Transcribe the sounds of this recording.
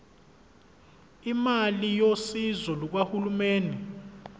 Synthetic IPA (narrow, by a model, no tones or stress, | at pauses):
imalijosizɔluk̬wahulumɛːndʱɛ